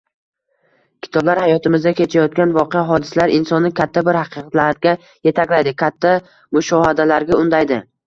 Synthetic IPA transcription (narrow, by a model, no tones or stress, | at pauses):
kʲʰɪ̥t̪ʰɒblaɾhajɒt̪ɪmɪzd̪akʲʰe̞t͡ʃʰajɒt̪̚kʲanvɒqejaɦɒd̪ɪsalaɾɪnsɒnːɪkʲʰat̪ʰːabɪɾhɑqʰɨqʰɑt̪laɾɡʲa | je̞t̪ʰakʲlajd̪ɪkʲʰat̪ʰːa | mʊʃɒhad̪alaɾɡʲaʊnd̪ajd̪ɪ